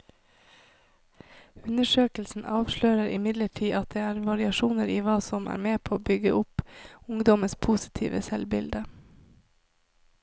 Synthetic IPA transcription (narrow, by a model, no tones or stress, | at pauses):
ʉnəʃøːkl̩sn̩ʔɑːʋʃløːɾəɾʔɪ̰mɪd̪ləʈʰiːʔɑt̪̚d̪eːæːɾʋɑɾɪɑʃuːnəɾiːʋɑːsɔmæ̰ːɾmeːpʰoːoːbʏɡəʔʊpʊŋd̪ɔməspʰuːsɪ̥t̪ʰḭːʋə̰sɛlbɪld̪ə